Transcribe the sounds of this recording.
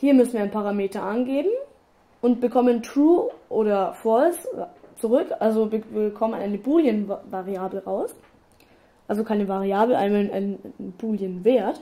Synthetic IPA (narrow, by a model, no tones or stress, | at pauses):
hiːɐmʏsn̩iːɐaɪnpʰaʁameːtɐʔanɡeːbm̩ | ʔʊntb̥əkʰɔməntʁuːʔoːdɐfɔlst͡suʁʏkʰʔalzobəkʰɔmənʔaɪnəbuːljənvaʁiaːbl̩ʁaʊs | ʔalzokʰaɪnəvaʁiaːbl̩ʔa̰ɪnanʔa̰ɪnb̥uːljənveːɐt